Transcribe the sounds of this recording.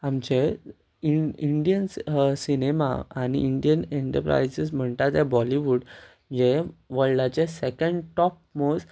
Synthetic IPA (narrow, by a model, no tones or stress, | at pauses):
amt͡ɕe | iiɳɖijənsinema̰aɽ̃ḭiɳɖijəneɳʈə̰ɾpɾa̰jsəsm̤əɳt̪at̪ẽbɔliʋuɽ | d͡ʑeʋəɭlat͡ɕesekəɳɖʈɔp̚mos